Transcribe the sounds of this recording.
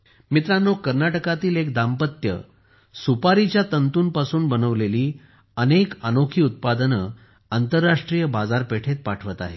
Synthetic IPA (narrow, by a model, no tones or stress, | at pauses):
mit̪ɾanːokəɾnaʈəkat̪iːlekd̪ampət̪jə̰ | supaɾit͡ɕjat̪ənt̪uːnpasuːnbənəʋleliː | ənekənokʰiːut̪̚pad̪ənə | ant̪əɾːaʂʈɾijəbad͡zaɾpeʈʰet̪̚paʈʰʋət̪a̰ɦḛ